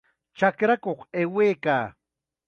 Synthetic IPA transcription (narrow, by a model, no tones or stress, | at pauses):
t͡ʃakɾakoχeweːkaː